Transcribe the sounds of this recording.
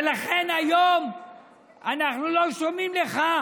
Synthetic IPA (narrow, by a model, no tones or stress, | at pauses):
laχe̞najom | anaχnulo̞ʃomimleχa